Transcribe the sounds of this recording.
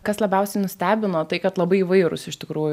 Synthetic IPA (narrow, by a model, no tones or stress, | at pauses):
kɐslˠɐbʲɛʊsʲɛɪnʊsʲt̪ʲæːbʲɪnoːt̪ɐɪkɐt̪lˠɐbɐɪiʋɐɪɾʊ̰sɪʃʲt̪ʲɪkɾuːjʊ